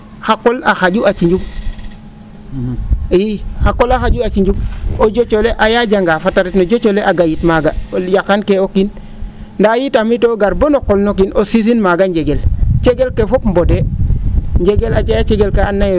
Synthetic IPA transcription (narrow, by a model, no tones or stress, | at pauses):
xakːolaxaɟuʔat͡ʃiɲɟum | jixakːolaxaɟuat͡ʃiɲd͡ʒumoɟot͡ʃoleʔajaɟaŋɡafataɾetnoɟot͡ʃoleʔaɡajitmaɡaɟakankeokin | ndajitamitoɡaɾbonokolnokinʔosis̬inmaɡaɲɟeɡelt͡ʃeɡelkefopmbode | ɲɟeɡelat͡ʃajat͡ʃeɡelkeanːaje